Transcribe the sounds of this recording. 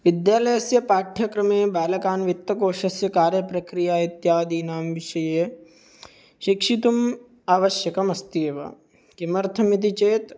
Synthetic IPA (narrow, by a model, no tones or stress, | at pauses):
ʋid̪jaːlɐjɐsjɐpaːʈʰjɐkɾɐmeːbaːlɐkaːnʋit̪ːɐkoːʃɐsjɐkaːɾjɐpɾɐkɾijaːit̪jaːd̪iːnaːmʋiʃɐje | ʃikʂit̪um | aːʋɐʃjɐkɐmɐst̪eːʋɐ̰ | kimɐɾt̪ʰɐmit̪̬it͡ʃeːt̪